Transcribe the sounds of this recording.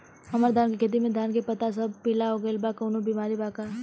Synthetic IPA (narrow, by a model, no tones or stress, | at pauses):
ɐməɾd̪ʱaːnkikʰet̪̬imẽd̪ʱaːnkepɐt̪asɐb̚pɪlaɦoːɡəɪlbakoːnõbimaːɾibaːka